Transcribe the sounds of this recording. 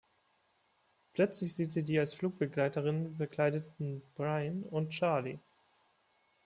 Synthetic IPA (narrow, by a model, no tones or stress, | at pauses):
pʰlœt͡slɪçz̥iːtz̥iːdiːalsfluːk̚b̥əɡlaɪtəʁɪnbəkl̥aɪdətn̩b̥ʁaɪnʊntt͡ʃaɐli